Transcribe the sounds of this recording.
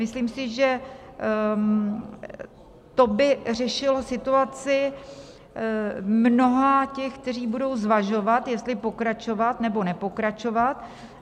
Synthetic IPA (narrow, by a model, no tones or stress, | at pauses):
mɪsliːmsɪʒɛ | t̪o̞bɪr̝ɛʃɪlo̞sɪt̪uat͡sɪ | mno̞ɦacɛxk̚t̪ɛriːbudo̞wzvaʒo̞vat̪jɛst̪lɪpo̞kɾat͡ʃo̞vat̪nɛbo̞nɛpo̞kɾat͡ʃo̞vat̪̚